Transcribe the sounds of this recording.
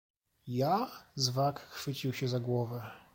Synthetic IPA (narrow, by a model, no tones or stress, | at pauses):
jazvakxfɘt͡ɕiwɕɛzaɡwɔvɛ